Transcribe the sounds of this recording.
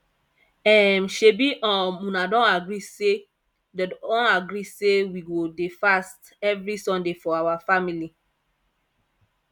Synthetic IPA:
ɛmʃebiʔɔ̃mũnadɔ̃naɡɾise | dɛɔ̃naɡɾisewiɡodefast | ɛvɹisɔ̃ndefɔawafamili

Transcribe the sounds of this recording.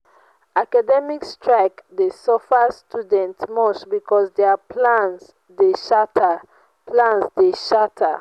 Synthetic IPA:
akadɛmikstɹaɪkdesɔfastudɛ̃ntmɔsbikɔsdeapʰlãns | deʃatʰa | plãnsdeʃatʰa

